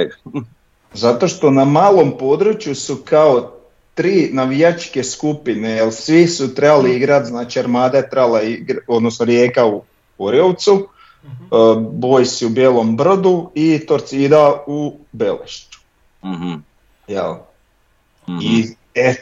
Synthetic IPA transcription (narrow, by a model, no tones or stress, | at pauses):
zat̪o̞ʃt̪o̞namaːlˠo̞mpo̞d̪ɾut͡ʃjusukao | t̪ɾiːnaʋijat͡ʃke̞skupinejelsʋisut̪ɾe̞baliiɡɾat̪znaːt͡ʃiaɾmaːd̪aet̪ɾebalˠaiɡɾod̪nosnoɾje̞ːkau | koɾjoʋt̪su | bojsiubjeːlˠo̞mbr̩d̪uit̪o̞ɾt̪sid̪aubelḛʃt̪u̥ | jḛl | i | e